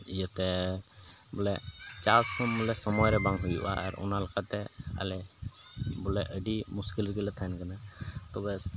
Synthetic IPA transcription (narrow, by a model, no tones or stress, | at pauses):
ijat̪ɛ | bɔlɛt͡ʃashɔmlɛsɔmɔjɾɛbaŋɦujṵʔa̰ʔa̰ɾɔ̰nalakat̪ɛa̰lɛ | bɔlɛʔəɖimuskilɾɡɛlɛt̪ʰankanat̪ɔbɛ